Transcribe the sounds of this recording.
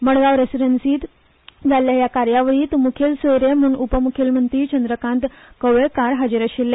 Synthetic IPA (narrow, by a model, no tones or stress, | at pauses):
məɽɡaʋɾesiɾənsiːt̪ | d͡zʱaljajakaɾjaʋəɭiːt̪mukʰelseɾem̤uːnupəmukʰelmənt̪ɾiːt͡ɕənd̪ɾəkãnt̪ | kəʋekaɾɦad͡zəɾəɕilːe